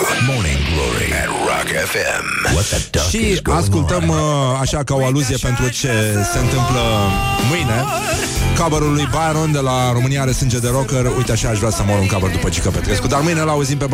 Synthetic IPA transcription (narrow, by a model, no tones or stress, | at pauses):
mɔnɪ̰̃nɡlɔ̰ɹḭtɹɑ̰kɛfɛ̰mwɔt̪d̥ʃiaskult̪əmaʃakao̞aluzije̞pe̞nt̪ɾut͡ʃe̞se̞ɨnt̪ɨmpləmɨjne̞ | kabəɾulujbajɾond̪e̞laɾo̞mɨnijaɾesɨnd͡ʒed̪eɾo̞kərujt̪eaʃaaʃvɾʲasəmoluŋkabəɾd̪upət͡ʃekəpet̪ɾeskud̪armɨjne̞lauzimpe̞